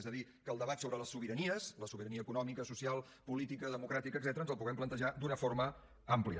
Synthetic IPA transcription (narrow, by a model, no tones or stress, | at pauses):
zəðikəːlˠd̪əβat̪soβɾələsːuβiɾəniəsləsuβiɾəniəkunɔmikəsusialˠ | pulit̪ikəðəmukɾat̪ikəɡzɛt̪əɾənzəlˠpuɣɛmplənt̪əʒad̪unəfoɾmə | ampliə